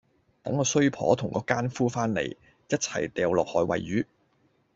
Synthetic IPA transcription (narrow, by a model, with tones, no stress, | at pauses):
t̪ɐ˨˥ŋːɔː˧sɵ˥ɥpʰɔ̰ː˨˥t̪ʰʊ˨˩ŋkɔː˨˧˥kaː˥nfuː˥faː˥nlḛ˨˩j | jɐ˥t̚t͡sʰɐ̰˨˩jt̪ɛː˨wlɔː˨k̚hɔː˧jwɐ̰˨jːyː˨˥